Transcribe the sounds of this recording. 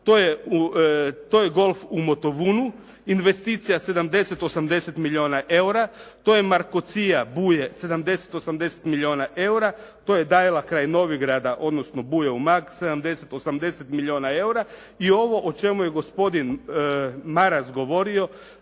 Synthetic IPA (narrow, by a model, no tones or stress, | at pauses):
t̪ojeut̪oːjeɡo̞lˠfumo̞t̪o̞ʋuːnu | inʋe̞st̪iːt̪sijase̞d̪amd̪e̞set̪o̞samd̪e̞set̪milʲio̞ːnaʔe̞uɾat̪o̞jemaɾkot̪sijabuːjese̞d̪amd̪e̞set̪o̞samd̪e̞se̥t̪milʲio̞ːnaʔe̞uɾat̪oje̞d̪ajelakɾaːjno̞ʋiɡɾaːd̪aʔo̞d̪no̞sno̞buːjeumakse̞d̪amd̪e̞set̪o̞samd̪e̞set̪milʲio̞ːnae̞uɾa | io̞ʋo̞ʔot͡ʃe̞muje̞ɡo̞spo̞d̪in | maɾasɡo̞ʋo̞ɾio̞